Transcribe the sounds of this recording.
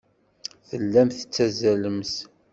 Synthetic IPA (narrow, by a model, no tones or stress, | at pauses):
θəlːæmθə̥t͡sːæzæləmθ